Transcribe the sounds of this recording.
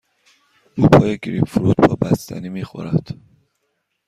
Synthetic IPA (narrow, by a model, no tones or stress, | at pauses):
ʔuːpʰɒːjeɡɾipfɾuːd̪bɒːbæst̪ʰæ̰niːmiːxo̰ɾæd̪̥